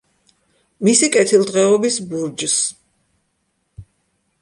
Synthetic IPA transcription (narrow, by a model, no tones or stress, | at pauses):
misikʼɛt̪ʰilˠd̪ʁɛɔbisbuɾd͡ʒs